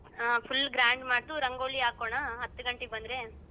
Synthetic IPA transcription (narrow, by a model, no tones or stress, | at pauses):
pʰulːɡɾaːɳɖmaːʈuɾɐŋɡoːliaːkoːɳaɦɐt̪ːuɡɐɳʈeɡ̚bɐnd̪ɾe